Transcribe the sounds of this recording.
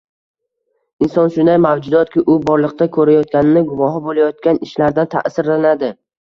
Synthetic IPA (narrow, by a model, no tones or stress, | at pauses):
ɪnsɒnʃʊnd̪ajmawd͡ʒʊd̪ɒt̪̚kʲɪʔʊbɒɾlˠɨq̚t̪akʰɵɾajɒt̪̚kʲanɪnɪɡʊvɒɦɪbolajɒt̪̚kʲanɪʃlaɾd̪ant̪ʰa̰sɪɾlanad̪ɪ